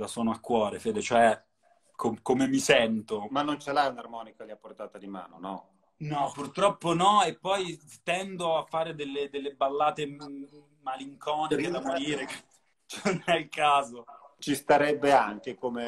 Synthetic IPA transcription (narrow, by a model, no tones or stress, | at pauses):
asoːnoakːwɔːɾefeːd̪et͡ʃoɛ | kʰomkomemisɛnt̪omanːont͡ʃelaunarmɔːnikaliapːort̪aːt̪ad̪ima̰ːno̰nɔ̰ | nɔpːurt̪ɾɔpːonɔepːɔjt̪ɛnd̪oafːaːɾed̪elːed̪elːebalːaːt̪e | maliŋkʰɔːniked̪amoɾiːɾeke | t͡ʃnonɛilkaːzot͡ʃist̪aɾɛbːeaŋkekome